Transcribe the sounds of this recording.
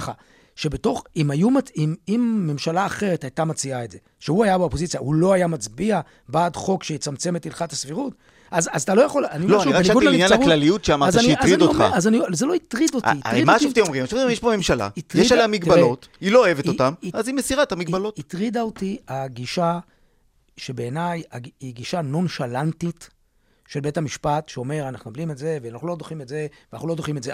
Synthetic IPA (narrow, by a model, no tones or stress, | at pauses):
χa̰ | ʃe̞be̞to̞χimajumaimimːe̞mʃalaːχe̞ʁetajtamat͡siaetdze̞ | ʃeuajabeopo̞zit͡sijahulo̞ajamat͡sbia | baːdχo̞kʃejet͡samt͡se̞metilχathasfiʁut | azazat̪alo̞jaχo̞laniloanianiɡuainjanaʁklalijutʃeamaʁzaniazʁiaoa̰azanizelo̞it̪ʁidotia̰eimaʃot̪emomʁimaʃovejeʃpome̞mʃala̰it̪ʁjeiʃaamiɡbaeo̞t | ilo̞oeveotamiazimesiʁathamiɡ̚balo̞tit̪ʁid̪aot̪iaɡiʃa | ʃebe̞ːnajaiɡiʃano̞nʃalantit̪ | ʃelbethamiʃpat̪ʃeo̞me̞ʁanaχnuablimetze̞veanaχnulo̞d̪oχimetze̞venaχnulo̞d̪o̞χimetze